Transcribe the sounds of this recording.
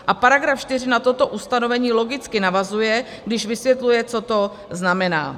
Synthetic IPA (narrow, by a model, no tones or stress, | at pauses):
ʔapaɾaɡɾafʃt̪ɪr̝ɪnat̪o̞t̪o̞ʔust̪ano̞vɛɲiːlo̞ɡɪt͡skɪnavazujɛ | ɡdɪʒvɪsvjɛt̪lujɛt͡so̞t̪o̞ | znamɛna̰ː